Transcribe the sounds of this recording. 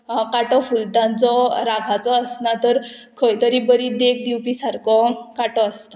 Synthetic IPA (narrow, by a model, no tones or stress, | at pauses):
kaʈɔfulʈ̪ãnt͡sɔɾaɡʰʱat͡sɔːsnat̪əɾkʰəjt̪əɾibəɾid̪ekd̪iwpisaɾkɔkaʈɔəst̪ɔ̥